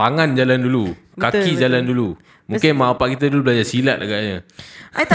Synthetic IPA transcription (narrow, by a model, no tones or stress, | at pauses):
t̪aŋand͡ʒalandulu | kakid͡ʒalandulu | mũkɪnmaapaʔkit̪̬adulubəlad͡ʒasilat̪̚ʔaɡaʔɲə